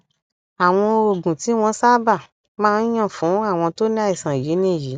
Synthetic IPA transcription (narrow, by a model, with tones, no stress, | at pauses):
a˨w̃ɔ̃˧o˨ɡũ˨ti˨˦w̃ɔ̃˧˦sa˦ba˦˨ | mãː˦˧n˦j̃ɔ̃˦˨fũ˨˦a˦˨w̃ɔ̃˧to˦nĩ˦a˧i˨sã˨ji˨˦nĩ˦˨ji˨˦